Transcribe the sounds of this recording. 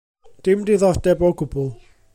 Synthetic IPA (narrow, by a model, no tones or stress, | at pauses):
d̥ɪmdɪðɔdɛboɡʊbʊlˠ